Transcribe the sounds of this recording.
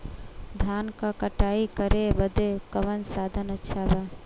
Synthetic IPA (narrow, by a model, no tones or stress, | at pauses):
d̪ʱankakəʈaikəɾebəd̪ekəʋənsad̪ʱənətːʃʰaba